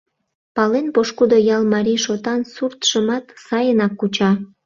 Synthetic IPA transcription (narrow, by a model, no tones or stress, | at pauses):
pɑlenpoʃkud̪ojɑlˠmɑɾiʃot̪ɑnsurt̪ʃəmɑt̪sɑjənɑkːut͡ɕɑ